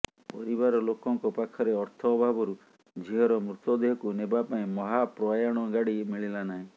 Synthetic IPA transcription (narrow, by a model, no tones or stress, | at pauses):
pɔɾibaɾɔlokɔŋkɔpakʰɔɾeɔɾt̪ʰɔːbʱabɔɾu | d͡ʒʱiɦɔɾɔmɾut̪ɔd̪eɦɔkunebapaĩmɔɦapɾɔajaɽ̃ɔɡaɽimiɭilanaɦĩ